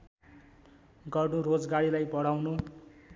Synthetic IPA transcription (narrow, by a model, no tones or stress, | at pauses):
ɡʌrnuɾod͡zɡaɽilajbʌɽawnu